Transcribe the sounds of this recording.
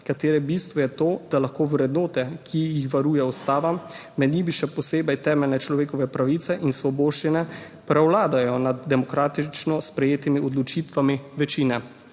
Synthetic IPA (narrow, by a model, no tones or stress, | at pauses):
kat̪eːɾɛbist̪ʋɔjɛt̪oːd̪alaxkoːwɾɛd̪noːt̪ɛkʰijixʋaɾuːjɛɔst̪aːʋamː | ɛd̪nibiʃɛpɔseːbɛjt̪ɛːmɛlnɛt͡ʃlɔʋeːkɔʋɛpɾaʋit̪sɛʔinsʋɔboːʃt͡ʃinɛ | pɾɛwlaːd̪ajɔnad̪ːɛmɔkɾaːt̪it͡ʃnɔspɾɛjeːt̪imiɔd̪lɔt͡ʃiːt̪ʋamiʋɛt͡ʃiːnɛ